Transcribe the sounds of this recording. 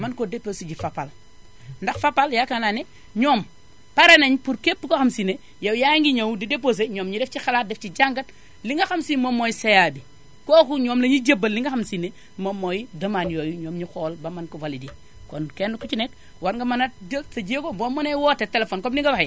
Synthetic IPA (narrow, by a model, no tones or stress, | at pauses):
mɐnkodeposiɟifapal | ndɐxfapaljakanane | ɲoːm | paɾenɐɲpuɾkepːukoxamsine | jɐwjaŋɡiɲɐwdidepos̬eɲoːmɲideft͡ʃixalaːt̚deft͡ʃiɟaŋɡɐt | liŋɡɐxamsimomojisejabi | koːkuɲoːmlɐɲiɟɐbːɐlːiŋɡɐxamsinːe | momːojidɐmanjoːjuɲoːmɲixoːlbɐmɐnkovalidi | konkenːukut͡ʃinet̚ | waɾŋɡɐmɐnadsɐɟiekoboːmːonewotetelefoːnkomniŋɡɐbahj